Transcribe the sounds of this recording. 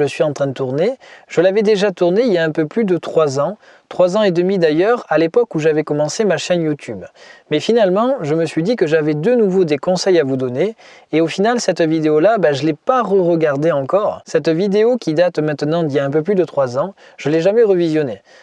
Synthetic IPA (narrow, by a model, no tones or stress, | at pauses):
əsɥiɑ̃t̪χɛ̃d̪ət̪uʁneʒ̥əlavɛd̪eʒat̪uʁneiljaɛ̃pøplyd̪ət̪χwazɑ̃ | t̪χwazɑ̃ed̪əmid̪ajœʁalepɔkuʒavɛkɔmɑ̃semaʃɛnjut̪ʰybmɛfinalmɑ̃ʒəməsɥid̪ikəʒavɛd̪ənuvod̪ekɔ̃sɛjavud̪ɔne | eofinalsɛt̪vid̪eolabaʒəlɛpaʁəʁəɡaʁd̪eɑ̃kɔʁsɛt̪vid̪eokʲʰid̪at̪mɛ̃t̪ənɑ̃d̪iljaɛ̃p̬øplyd̪ət̪χwazɑ̃ | ʒ̥əlɛʒamɛʁəvizjɔne